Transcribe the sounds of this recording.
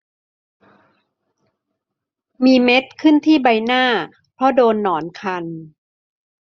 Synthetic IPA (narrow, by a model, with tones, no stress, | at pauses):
miː˧me˦˥t̪̚kʰɯ˥˩nt̪ʰiː˥˩ba˧jnaː˥˩ | pʰɾɔ˦˥doː˧nːɔː˩˦nkʰa˧n